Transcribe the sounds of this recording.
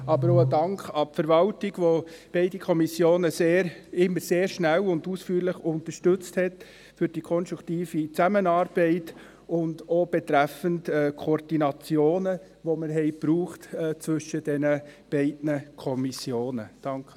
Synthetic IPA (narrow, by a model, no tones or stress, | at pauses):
ɑbəɾodɑŋkχɑpfəɾʋɑltɪɡ̥ʋob̥ɛɪdikʰɔmisjoːnəseːɾɪmːəɾseːɾʃnælʊnduːsfyːɾlɪχʊntəɾʃtɵt͡sthɛt | fʏɾd̥ikʰɔnʃtɾuktiːfit͡sæmənɑːɾb̥ɛɪt | ʊndob̥etɾæfəntɛːkʰoɾd̥inɑt͡sjoːnə | ʋoməɾɦɛɪpɾuːχtɛt͡sʋʏʃəd̥ɛnəb̥ɛɪdnəkʰɔmisjoːnəd̥ɑŋkχ